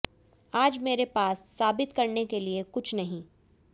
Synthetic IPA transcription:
aːd͡ʒmeːɾepaːsːaːbɪt̪kɐɾnekeliekʊt͡ʃʰnɐɦĩ

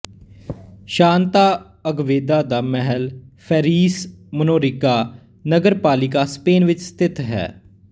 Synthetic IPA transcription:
ʃaːnt̪aː | əɡʋeːd̪aːd̪aːmɛɦəlpʰɛːɾiːsmənoːɾɪkaː | nəɡəɾpaːlɪk̬aːspeːnʋɪt͡ʃst̪ʰɪt̪ɦɛ̰ː

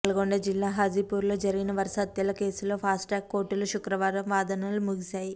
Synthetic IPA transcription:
ɐlɐɡoɳɖɐd͡ʒilːaːɦaːd͡ʒipuːɾlo̞ːd͡ʒɐɾiɡinɐʋɐɾʃaːd̪̚t̪ɛlːɐke̞ːsulo̞ːpʰaːsʈʈaːkːo̞ːɾʈːuluʃukɾɐʋaːɾɐmʋaːd̪ɐnaːlumuɡisaːji

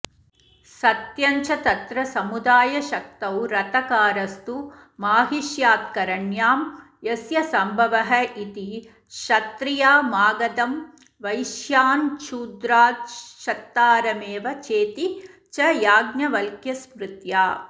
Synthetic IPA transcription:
sɐt̪jɐɲt͡ʃɐt̪ɐt̪ɾɐsɐmud̪aːjɐʃɐk̚t̪ɐwɾɐt̪ɐkaːɾɐst̪u | maːɦiʃjaːt̪̚kɐɾɐɳjaːm | jɐsjɐsɐmbʱɐʋɐɦɐʔit̪i | ʃɐt̪ɾijaːmaːɡɐd̪ɐm | ʋɐjʃjaːnt͡ʃuːd̪ɾaːt̪ʃɐt̪ːaːɾɐmeːʋɐt͡ʃeːt̪i | t͡ʃɐjaːɡnjɐʋɐlkjɐsmɾut̪jaː

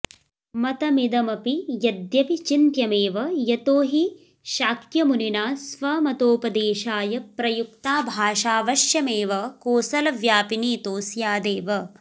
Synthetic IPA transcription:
mɐt̪ɐmid̪ɐmɐpijɐd̪jɐpit͡ʃint̪jɐmeːʋɐjɐt̪oːɦi | ʃaːkjɐmuninaːsʋɐmɐt̪oːpɐd̪eːʃaːjɐpɾɐjukt̪aːbʱaːʃaːʋɐʃjɐmeːʋɐkoːsɐlɐʋjaːpiniːt̪oːsjaːd̪eːʋɐ

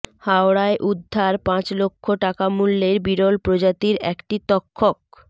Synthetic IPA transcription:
haoɽaeʔud̪ʱːaɾpãt͡ɕlokʰːoʈakamulːeɾbiɾolpɾod͡ʑat̪iɾɛkʈit̪ɔkʰːok

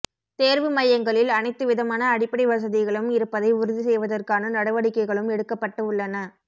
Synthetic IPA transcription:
t̪eːɾʋɯmɐjɐŋɡɐɭɪlɐnɐɪt̪ːɯʋɪðɐmaːnɐːɽɪpːɐɽiʋɐs̬ɐðɪɣɐɭɯmɪɾɯpːɐðɐɪʊɾɯðis̬ɛjʋɐðɐrkaːnɐnɐɽɐʋɐɽɪkːɐɪɣɐɭɯmɛɽɯkːɐpːɐʈːɯʊɭːɐnɐ

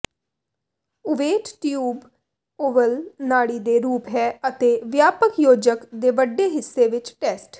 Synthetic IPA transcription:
ʊʋeːʈʈjuːb | oːʋəlnaːɽiːd̪eːɾuːpɦɛːət̪eːʋjaːpəkjoːd͡ʒəkd̪eːʋəɖːeːɦɪsːeːʋɪt͡ʃʈɛːsʈ

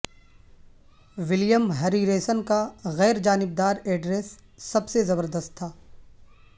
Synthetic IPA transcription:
ʋɪljəmɦɐɾiɾeːsənkaɣɛːɾd͡ʒaːnɪb̚d̪aːɾɛːɖɾeːsːɐbsezɐbəɾd̪əst̪̚ʰːaː

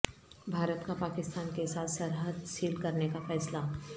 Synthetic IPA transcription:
bʱaːɾət̪kapaːkɪst̪aːnkeɪsaːt̪ʰsɐɾɦəd̪ʃiːlkɐɾnekafɛːsla

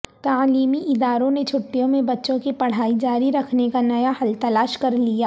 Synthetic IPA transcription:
t̪aːliːmiʔɪd̪aːɾõnet͡ʃʰʊʈːijõmẽbɐtːʃõkipɐɽ̤aːid͡ʒaːɾiɾɐkʰnekanɐjahɐlt̪ɐlaːʃkɐɾlijaː

